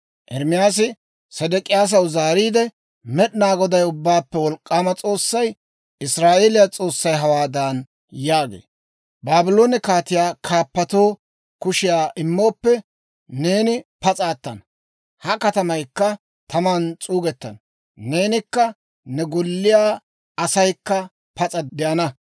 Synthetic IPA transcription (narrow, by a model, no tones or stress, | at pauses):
ʔɛɾmɪjaːs̬ɪ | sɛd̪ɛkʼɪjaːs̬ɐwzaːɾiːd̪ɛ | mɛɗɪnaːɡɔd̪ɐjʊbːaːpːɛwɔlkʼːaːmɐt͡sʼo̞ːsːɐj | ɪsɾaːʔe̞ːlɪjat͡sʼo̞ːsːɐjɦɐwaːd̪aːn | jaːɡḛː | baːbɪlo̞ːnɪkaːt̪ɪjaːkʰaːpːɐt̪o̞ː | kʊʃɪjaːʔɪmːo̞ːpːɛ | ne̞ːnɪpɐt͡sʼaːt̪ːɐ̰n | hɐkɐt̪ɐmɐjkːɐ | t̪ʰɐmɐnt͡sʼuːɡɛt̪ːɐn | ne̞ːnɪkːɐ | nɛɡɔlːɪjaː | ɐsɐjkːɐ | pɐt͡sʼɐd̪ɛʔɐnɐ